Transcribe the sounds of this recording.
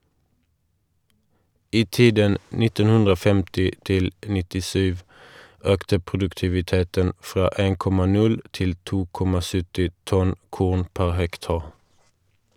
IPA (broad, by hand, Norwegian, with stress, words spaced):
ˈiː ˈtiːdən ˈnɪtən ˈhʉndʁ ˈoː ˈfɛmtɪ ˈtɪl nɪtɪˈsyːʋ ˈøːktə pʁʊdʉktɪʋɪˈteːtən ˈfʁɑː ˈeːŋ ˈkɔmɑ ˈnʉl ˈtɪl ˈtuː ˈkɔmɑ ˈsʏtɪ ˈtɔn ˈkʊʁn ˈpæʁ ˈhɛkˌtɑːʁ